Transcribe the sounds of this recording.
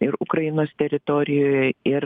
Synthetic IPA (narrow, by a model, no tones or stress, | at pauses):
ɪɾʊkɾɐjɪnoːst̪ʲɛɾʲɪt̪oːɾʲɪjoːjɛɪɾ